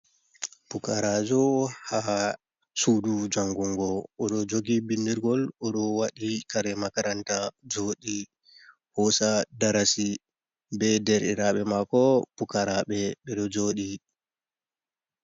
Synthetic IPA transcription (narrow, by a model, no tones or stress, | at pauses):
pukaɾaːd͡ʒɔha | suːdud͡ʒaŋɡuŋɡɔːɗɔd͡ʒoɡibindiɾɡɔlɔɗɔwaɗikaɾɛmakaɾantad͡ʒoːɗi | hɔsadaɾasi | bɛdɛɾiɾaɓɛmakɔpukaɾaɓɛɓɛɗɔd͡ʒoːɗi